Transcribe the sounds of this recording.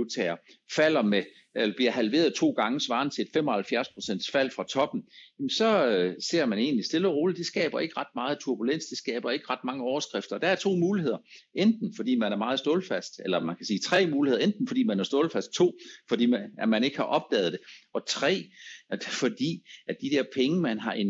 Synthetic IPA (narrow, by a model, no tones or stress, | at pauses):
ut͡sʰɛːɐ | fæl̰ɐme | elɐb̥liɐhælʋe̝ːɐð̞ˠt͡sʰo̝̰ːɡ̥ɑ̈ŋəsʋɑ̈ːn̩t͡sʰe̝ed̥femɒ̽hælfjæɐspʰʁo̝̥sen̰d̥sfæl̰fʁɑ̈t͡sʰɒ̽b̥n̩jemnsɒ̽se̝ɐ̰mæne̝̰ːnlisd̥e̝ləʁo̝ːləd̥esɡ̥ɛ̰ːb̥ɐe̝ɡ̥əʁɑ̈d̥mɑ̈ːð̩ˠt͡sʰuɐb̥ulen̰sd̥esɡ̥ɛ̰ːb̥ɐe̝ɡ̥əʁɑ̈d̥̚mɑ̈ŋəɒʊɐsɡ̥ʁefd̥ɐd̥ææɐt͡sʰo̝̰ːmuːlie̝ðˠɐend̥n̩fɒd̥ḭːmænæɐmɑ̈ːð̩ˠsd̥o̝ːlfæsd̥elɐmænkʰæsiːt͡sʰʁɛ̰ːmuːlihe̝ðˠend̥n̩fɒ̽d̥ḭːmænæɐsd̥o̝ːlfæsd̥̚t͡sʰo̝̰ːfɒ̽d̥ḭːæmæne̝ɡ̥hɑ̈ʔɒ̽b̥̚d̥ɛ̰ːð̩ˠd̥e̝ɒ̽t͡sʰʁɛ̰ː | fɒ̽d̥ḭːæd̥id̥eɐpʰeŋəmænɦɑ̈ʔe̝n